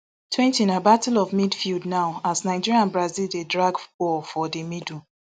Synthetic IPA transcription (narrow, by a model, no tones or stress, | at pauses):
tʰwɛ̃ntiĩnabatulɔvmidfildnaʊasnaɪd͡ʒiɹiãnbɹazildedɹaɡkɔfɔdemidu